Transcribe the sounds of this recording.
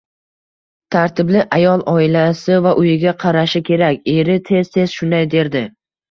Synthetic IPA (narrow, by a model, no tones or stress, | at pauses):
t̪ʰaɾt̪ʰɪblɪʔajɒlˠɒɪlasɪvaʔʊjɪɡʲaqʰɑɾaʃɪkʲʰe̞ɾakʲe̞ɾɪt̪ʰe̞z̥t̪ʰe̞z̥ʃʊnd̪ajd̪e̞ɾd̪ɪ